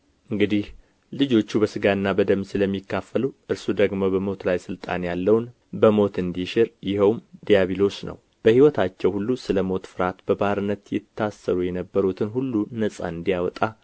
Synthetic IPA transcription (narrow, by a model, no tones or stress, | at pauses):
ʔɨŋɡɨd̪ih | lɨd͡ʒo̞t͡ʃːubəsɨɡaɨnːabəd̪əmsɨləmːikːafːəluʔɨɾsud̪əɡmo̞bəmo̞t̪lajsɨlt̪ʼa̰njalːəwn | bəmo̞t̪ɨnd̪iʃɪɾjɪhəwmd̪ijaβilo̞snə̰w | b̥əhiwɔt̪ʰat͡ʃːɛwhulːusɨləmo̞t̪fɨɾat̪bəbaɾɨnːət̪jɪt̪ʰːasːəɾujɛnəbːəɾut̪ʰɨnɦulːunəsʼa̰ɨnd̪ijawɔt̪ʼa